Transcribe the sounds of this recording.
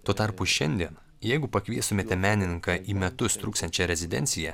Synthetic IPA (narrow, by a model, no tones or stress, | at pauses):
t̪uɔt̪ɐɾpuʃʲɛnʲd̪ʲiɛn | jɛɪɡʊpɐkʋʲiɛst̪omʲeːt̪ʲɛmʲæːnʲɪnʲɪŋkɑːʔiːmʲɛt̪ʊst̪ɾuːkst̪ɐnʲt͡ʃʲɛɾʲɛzʲɪd̪ʲɛ̰nʲtsʲɪjɛ